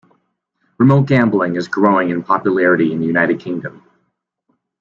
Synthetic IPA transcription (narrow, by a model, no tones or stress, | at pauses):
ɹɨmoʊt̚ɡ̥æ̃mbl̩ˠɪ̃ŋɨzɡɹoʊɪ̃ŋɨ̃npʰɑpjɨlɛɹɨɾiɨ̃nðɨjʉnaɪɾɨd̚kʰɪ̃ŋdɨ̃m